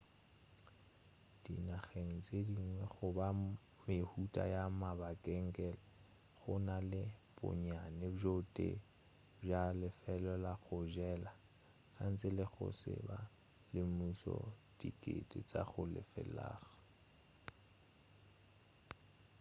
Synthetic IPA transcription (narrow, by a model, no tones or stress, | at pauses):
d̥inaχeŋ̩t͡sʼediŋwɛχʊba | mehutʼa̰jamabakʼɛŋ̩kʼɛlɛ | ɣʊnalɪb̥ʊ̰ɲanɪd͡ʒotʼḛ | b͡ʐalɪfɛlɔlaɣʊʒɛla | ɣaŋ̩t͡sʼɪlɪɣʊ̰sɪ̰ba | lɪmusɔ̰dikʼḛtʼɪt͡sʼa̰χʊlɪ̰fɛla̰ːɣa